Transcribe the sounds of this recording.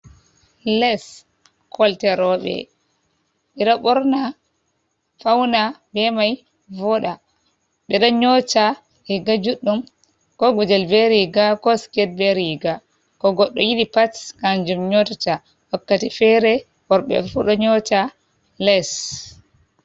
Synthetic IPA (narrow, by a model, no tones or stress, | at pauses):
lɛs | kʰɔltɛɾɔɓɛ̰ | ɓɛɗɔɓɔɾna | fawnabɛmaj | vɔɗa | ɓɛɗɔɲɔt͡ʃa | iɡad͡ʒuɗːum | kɔɡɔd͡ʒɛlbɛɾiɡakɔskɛd̚bɛɾiɡa | kɔɡɔɗːɔjiɗipatkand͡ʒumɲɔtat͡ʃa | wakːatifɛɾɛ | ɔɾɓɛ̰fuɗɔɲɔt͡ʃa | lɛs